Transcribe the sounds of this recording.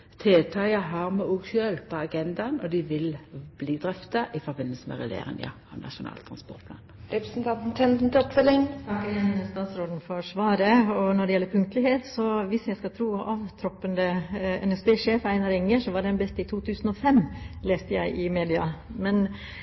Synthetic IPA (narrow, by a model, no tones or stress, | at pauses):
t̪ʰeːt̪ʰɑɪəɦɑʁmɛuːɡʃøːlpʰɔɑɡɛnd̪ɑnɔd̪ɪʋɪlb̥liːd̪ɾɛft̪ɑʔɪfɔbɪnːəlsəmɛ̰ʁɛ̰j̪ḛːɾɪ̰ŋə̰ɑnɑ̰ʃʊnɑ̰ːlt̪ʰɾɑnspɔʁt̪̚pʰlɑ̰ːnɾɛpɾəsn̩t̪ʰɑnt̪n̩t̪ʰɛnt̪n̩t̪ɔpfœlɪŋt̪ʰɑkːɪjɛnːməst̪ɑːt̪sɾoːd̪n̩fɔɾʂʋɑːɾəɔnɔɾɖɛjɛlːəɾpʰʉŋkt̪əlɪheːt̪sɔʋɪsjæɪskɑlt̪ʰɾuːɑʋt̪ʰɾɔpːənd̪əɛ̰nɛsbeːʂeːfæɪnɑɾɪŋːəʂɔʋɑɖɛnbɛst̪ɪt̪ʰuːt̪ʰʉːsn̩ɔfɛmleːst̪əjæɪʔɪmeːd̪ɪɑmɛn